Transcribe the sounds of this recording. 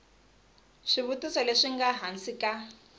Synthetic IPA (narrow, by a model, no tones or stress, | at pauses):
ʂiβutisɔleʂiŋɡaɦansika